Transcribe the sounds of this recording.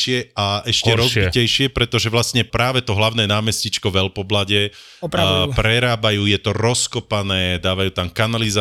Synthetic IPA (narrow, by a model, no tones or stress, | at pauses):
ɪɛaʔɛʃcɛɾɔzbicɛjʃɪɛpɾɛt̪ɔʒɛʋlasɲɛpɾaːʋɛt̪ɔɦlaʊnɛːnaːmɛscit͡ʃkɔʋɛlpɔblaɟɛ | pɾɛɾaːbajuːjɛt̪ɔɾɔskɔpanɛːd̪aːʋajuːt̪amkanaliza